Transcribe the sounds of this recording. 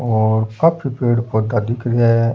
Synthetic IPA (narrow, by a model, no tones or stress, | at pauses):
ɔːɾkapʰipeːɽpod̪aːd̪ɪkʰɾɛː